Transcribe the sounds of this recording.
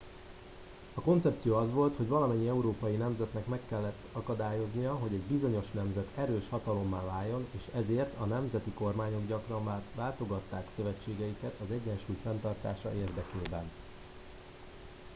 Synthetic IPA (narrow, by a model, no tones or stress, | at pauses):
ɒko̞nt̪sɛp̚t̪sijoːɒzʋo̞lt̪ho̞ɟvɒlɒmɛɲːiɛuɾoːpɒjinɛmzɛt̪nɛkmɛkːɛlːɛt̪ːɒkɒd̪aːjo̞znijɒɦo̞ɟɛɟbizo̞ɲo̞ʃnɛmzɛt̪ʰɛɾøːʃhɒt̪ɒlo̞mːaːvaːjːo̞neːʃɛzeːrt̪ʰɒnɛmzɛt̪iko̞rmaːɲo̞ɡɟɒkrɒnmaːrvaːlt̪o̞ɡɒt̪ːaːksøvɛt͡ʃːeːɡɛjikɛt̪ɒzɛɟːɛnʃuːjfɛnt̪ɒrt̪aːʃɒ̰ʔeːrd̪ɛkeːbɛn